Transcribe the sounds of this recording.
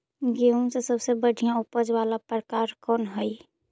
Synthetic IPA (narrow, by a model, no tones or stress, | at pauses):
ɡiũsesəbsebəɽʱijãupəd͡ʒʋalapɾəkaɾkɔnɦəj